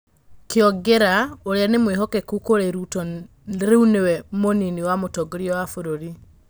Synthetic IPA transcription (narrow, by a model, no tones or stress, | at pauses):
keɔɡeɾaoɾeanemweɦɔkɛkukoɾeɾutɔ | ɾeunewɛmoniniwamotɔɡoɾjɔwafoɾoɾi